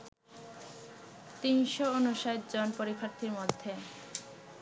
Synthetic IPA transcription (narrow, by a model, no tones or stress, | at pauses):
t̪inʃoonuʃajt̪d͡ʑonpoɾikʰaɾt̪ʰiɾmod̪ʱːe